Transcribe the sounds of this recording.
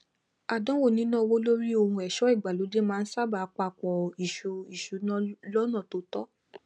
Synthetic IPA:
a˨dɔ̃˦wo˦˨nĩ˨˦nã˦˧wo˦lo˦ɾi˦o˧hũ˧ɛ˨ʃɔ˨˦i˦˨ɡ͡ba˨lo˨˦d͡ʒe˦mãː˦n̩˦sa˦˨ba˨˦k͡pa˧˨k͡pɔ˧i˨ʃu˧i˨ʃu˨˦nã˦lɔ˦nã˦˨to˧˦tɔ˦

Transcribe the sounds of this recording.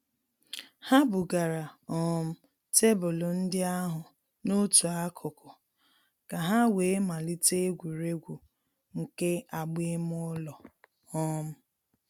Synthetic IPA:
ha˦bʊ˨ɡa˨ɾa˨ɔ˦m̩˦ | te˦bʊ˨lo˨n̩˦dɪ˦a˦ɦʊ˨ | no˦tu˨a˦kʰʊ˨kʊ˨ | ka˨ɦa˦we˨˦ma˨li˦te˦ɡʷu˨ɾe˦ɡʷu˨ | ŋ̩˨ke˦a˨ɡ͡be˦m˦ʊ˦lɔ˨ | ɔ˦m̩˦

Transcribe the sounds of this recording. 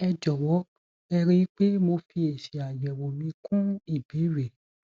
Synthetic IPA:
ɛ˧d͡ʒɔ˨wɔ˨˦ | ɛ˧ɾĩ˧i˦k͡pe˦mo˧fi˧e˨ʃe˨a˨jɛ˨wo˨nĩ˨˧˦kʰũ˦i˦˨bi˨˦ɾe˨

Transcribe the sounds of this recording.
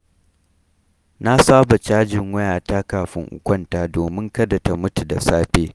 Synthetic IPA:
na˦saː˦ba˨t͡ʃaː˦d͡ʒɪ˨ŋwɐ˦jaː˨taː˦kaː˨ɸɪ̰˦ŋʔʊ̰˨kʷʼɐ˦˨ntaː˦doː˨mɪ˦ŋkɐ˦da˨ta˨mʊ˦tu˨da̰˨saː˦ɸeː˦

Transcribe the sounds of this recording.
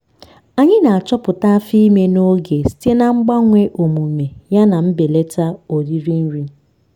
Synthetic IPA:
a˨ɲɪ˦na˨a˨t͡ʃɔ˦pʊ˨ta˦fi˦me˦no˦ɡe˨si̥˦te˦na˦ŋ͡m̩˦ɡ͡ba˦ŋʷe˦ʔo˨mu˨me˨ja˦na˨m̩˦be˨le˦ta˦o˨ɾi˦ɾi˦n̩˦ɾi˦

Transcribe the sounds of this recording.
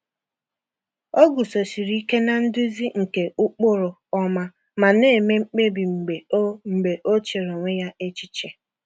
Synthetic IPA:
o˦ɡu˨so˨si˨ɾi˦i˦ke˦na˨n̩˦dʊ˦zi˦ŋ̩˨ke˨ʔʊ˦k͡pʊ˦ɾʊ˨ | ɔ˦ma˦ | ma˨ne˦e˨me˦ŋ͡m̩˦k͡pe˦bi˨ŋ͡m̩˨ɡ͡be˨o˦ŋ͡m̩˨ɡ͡be˨ʔo˦t͡ʃe˨ɾo˨ŋʷe˦ja˦e˦t͡ʃi˦t͡ʃe˨

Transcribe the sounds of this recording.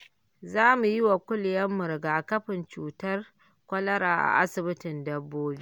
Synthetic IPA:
zaː˦mu˨jɪ˦wa˨kʷʊ˦ljɐ˦mːʊ˨ɾɡaː˨kɐ˦ɸɪ˨nt͡ʃuː˨tɐ˦r | kʷɐ˦lɐ˦ɾaː˨ʔa̰˨ʔa˦sɪ˨bɪ˦tɪ˨ndɐ˨bːoː˦liː˦ʔ

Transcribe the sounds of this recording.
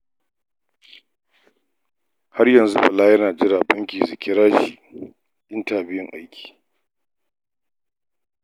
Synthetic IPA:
ha˦rjɐ˨nzu˦bɐ˨laː˦jɐ˦naː˨d͡ʒɪ˦ɾaː˨bɐ˦ŋkʲiː˨zʊ˨kʲɪ˦ɾaː˦ʃi˨ | ʔɪ˦ntaː˨bɪ˦jɪ˦ŋʔa̰˦jkʲi̥ː˨

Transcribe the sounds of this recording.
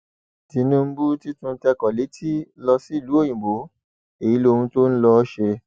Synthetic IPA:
di˨˦nũ˦m̩˦bu˦ti˦tũ˦tɛ˧kɔ˨le˨˦tʰi˦lɔ˧si˦˨lu˨˦o˦˨jĩ˨bo˨˦ | e˨i˨˦lo˧hũ˧to˦n̩˦lɔ˧˦ʃe˧

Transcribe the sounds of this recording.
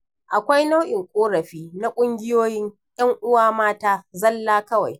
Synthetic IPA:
ʔa˨kʷa˦jna˦wʔɪ˨ŋkʷʼoː˦ɽɐ˨ɸiː˦na˦kʷʼʊ˦ŋɡʲɪ˦joː˦jɪ˦ɲ | jɐ˦ŋʔʊ˦waː˦maː˦taː˦zɐ˦lːaː˦kɐ˦wa̰˨j

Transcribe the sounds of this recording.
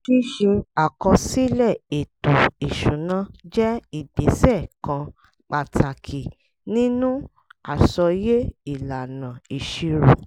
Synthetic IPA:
ki˦ʃi˧a˨kɔ˧si˦lɛ˦˨e˨tu˨i˨ʃũ˨˦nã˦d͡ʒɛ˦i˦˨de˨sɛ˦˨kã˧ | k͡pa˨tʰa˨kʰi˨ | nĩ˦nũ˦ | a˨sɔ˧je˦i˦˨la˨nã˨i˨ʃi˧ɾu˨

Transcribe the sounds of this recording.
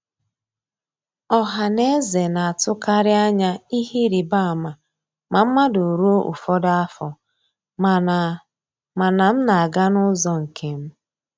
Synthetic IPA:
ɔ˦ɦa˨ne˦ze˨na˨a˨tʊ˦ka˦ɾɪ˦a˦ɲa˦i˦ɦi˦ɾi˨ba˦a˨ma˨ | ma˨m̩˦ma˦dʊ˨ɾu˦o˦ʔṵ˨fɔ˦da˦a˦fɔ˨ | ma˨na˨m̩˦na˨a˨ɡa˦nʊ˦zɔ˨ŋ̩˨kʰe˨m̩˦

